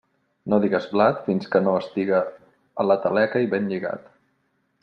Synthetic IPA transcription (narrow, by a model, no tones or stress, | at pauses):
noðiɣəzβlat̪finskənoəst̪iɣəː | lət̪əlɛkəiβenʎiɣa̰t̪